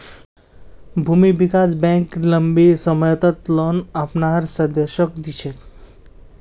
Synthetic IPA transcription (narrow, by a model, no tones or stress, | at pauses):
bʱumibikasbɛ̃ŋkləmbisəməjt̪ət̪lɔnapnaɾsə̃d̪eʃɔkd̪it͡ʃʰek